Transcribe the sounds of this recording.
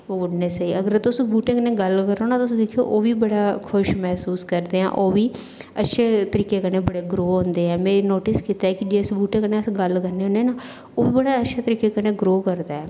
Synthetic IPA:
oːʊɽneːsiːəɡəɾt̪ʊsbuːʈẽkəneːɡəlkəɾoːnaːt̪ːʊsːd̪eːkʰijo̰ːʔoːʋiːbəɽaːkʰʊʃmɛːsuːskəɾd̪eːɦã̰ːʔoːʋiː | ətːʃʰeːt̪əɾiːkeːkəneːbəɽeːɡɾoːɦʊ̃nd̪eːɛːmɛ̃ːnoːʈɪskiːt̪aːɛːkɪd͡ʒeːsbuːʈẽːkəneːəsɡəlkəɾneːɦõnd̪eːnaː | oːʋiːbəɽaːətːʃʰeːt̪əɾiːkeːkəneːɡɾoːkəɾd̪aːɛː

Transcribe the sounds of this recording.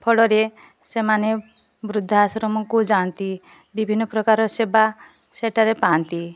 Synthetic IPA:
pʰɔɭɔɾe | semane | bɾud̪ʱːaasɾɔmɔkud͡ʒant̪i | bibʱinːɔpɾɔkaɾɔseba | seʈaɾepant̪i

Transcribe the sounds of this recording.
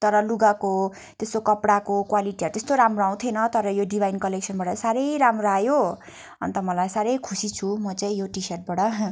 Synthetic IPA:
t̪ʌɾʌluɡako | t̪est̪okʌpɽakokwaliʈiʌɾt̪est̪oɾamroaw̃t̪ʰjenʌt̪ʌɾʌjoɖibʱajinkʌlek̚sʰʌnbaɽʌsaɾʌjɾamroajo | ʌ̰nt̪ʌmʌlajsaɾʌjkʰusit͡sʰumʌt͡saĩjoʈisʌrʈ̚baɽʌ

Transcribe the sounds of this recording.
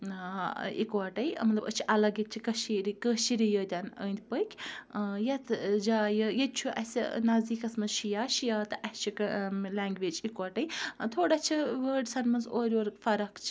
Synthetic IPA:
ḭkʋɐʈɐjmɐt̪lɐbət͡ʃʰiʔɐlɐɡɐt̪̚t͡ʃʰikɐʃiɾikəːʃiɾijəd̪ʲanə̰ːnd̪ʲpəjkʲʰjɐt̪ʰd͡ʒaːjəjɐt̪̚t͡ʃʰuʔɐsʲnɐzd̪iːkɐsmɐnzʃijaːʃijaːt̪ɨʔɐt͡ʃʰiklʲaːŋɡʋeːd͡ʒikʋaːʈɐjt̪ʰoːɽat͡ʃʰiʋəːɖsɐnmɐnzoːɾʲoːɾfɐɾɐkt͡ʃʰ

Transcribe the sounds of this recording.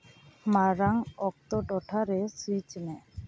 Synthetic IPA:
maɾaŋɔk̚t̪ɔʈɔʈʰaɾɛsit͡ʃnɛ

